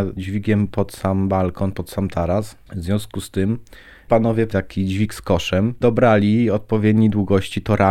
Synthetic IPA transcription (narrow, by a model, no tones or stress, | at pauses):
d͡ʑvʲiɡʲɛmpɔt̪sambalkʰɔnpɔt̪samt̪ʰaɾas | vzvʲjɔ̃w̃skust̪ɘm | panɔvʲjɛt̪akʲʰid͡ʑvʲikskɔʂɛmd̪ɔbɾalʲiɔt̪̚pɔvʲjɛd̪ɲid̪wuɡɔɕt͡ɕit̪ɔɾʔa